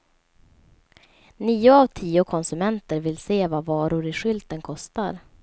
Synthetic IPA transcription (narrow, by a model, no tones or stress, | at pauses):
niːʊavt̪ʰiːʊkʰɔnsɵmɛnt̪əɾvɪlseːvavɑːɾʊɾɪɧʏlt̪ənkʰɔst̪a̰ɾ